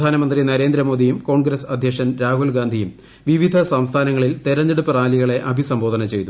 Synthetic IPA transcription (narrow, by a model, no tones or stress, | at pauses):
d̪ʱaːnɐmɐnd̪rinɐɾeːnd̪ɾɐmo̞ːd̪ijumko̞ːɳɡɾɐsɐd̪ʱjɐkʂɐnɾaːɦulɡaːnd̪ʱijum | ʋiʋid̪ʱɐsɐmst̪ʰaːnɐŋːɐɭilt̪eɾɐnːeɽupːɐraːliɣɐɭe̞ʔɐbʱisɐmbo̞ːd̪ʱɐnɐt͡ɕe̞jt̪u